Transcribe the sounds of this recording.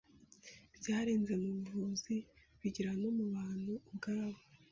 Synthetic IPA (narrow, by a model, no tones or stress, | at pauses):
b̥jaːɾeːnze̞mumuːzi | βiɟiɾano̞muβaːn̥huβɡaaβo